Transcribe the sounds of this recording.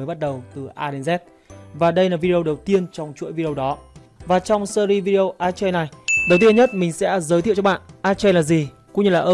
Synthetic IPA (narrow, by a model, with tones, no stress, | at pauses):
jɓa˦˥t̚ɗə˨˩wt̪ɨ˨˩ʔaː˧ɗe˧˩nzɛ˦˥t̚ | vaː˨˩ɗə˧jlaː˨˩vi˧e˧ə˧wɗə˨˩wt̪i˧ənt͡ɕɔ˧wŋ͡mt͡ɕṵ˧˥əjvi˧ɗe˧ə˧wɗɔ˨˦ | vaː˨˩t͡ɕɔ˧wŋ͡msəː˧ɾi˧vi˧ɗe˧ə˧wʔaː˧t͡ɕə˧jna˨˩jɗə˨˩wt̪i˧ə˧nɲə˦˥t̚mï˨˩ŋ̟sɛ̰˧˥zəː˨˦jt̪i˧˨wt͡ɕɔ˧ɓa̰ː˧˨nʔaː˧t͡ɕːnlaː˨˩zi˨˩ | kʊ̰˧˥ŋ͡mɲɨ˧laː˨˩ʔəː˧